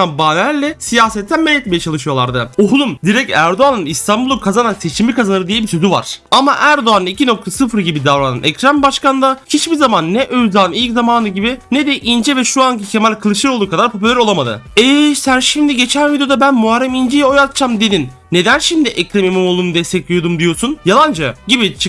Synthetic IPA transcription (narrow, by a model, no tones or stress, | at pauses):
anbaːnæɾlːʲɛsijaːsɛt̪ʰːænmɛlʲːɛt̪̚mejɛt͡ʃʰalˠɯʃɯjo̞lˠa̰ɾd̪ɯoɦulˠumd̪iɾɛcæ̰ɾd̪oanɯnist̪ʰanbulˠukʰazananse̞t͡ʃʰimikazanɯɾɯd̪ijɛbisʰøzyva̰ɾ̥amaʔæɾd̪oanɯnicʰino̞k̚t̪ʰasɯfɾɯɟibid̪avɾana̰nʔɛ̰cɾambaʃkand̪acʰit͡ʃbizamanːɛʔøjzaːnɯilʲczamaːnɯɟibinɛd̪ɛʔind͡ʒɛvɛʃuaŋcʰicʰemalʲkʰɯlˠɯʃɯɾolˠuːkad̪aɾpʰo̞p̬ylʲæɾo̞lˠamad̪ɯ̰ɛsænʃimd̪iɟe̞t͡ʃʰænvid̪ijo̞d̪abænmuɦaɾːɛmind͡ʒijɛojat̪t͡ʃʰamd̪e̞d̪inːe̞d̪ænʃimd̪iʔɛcɾamimumolˠuːnud̪ɛst̪ʰɛclʲijo̞d̪umd̪ijo̞ɾsunjalˠand͡ʒaɟibit͡ʃʰɯk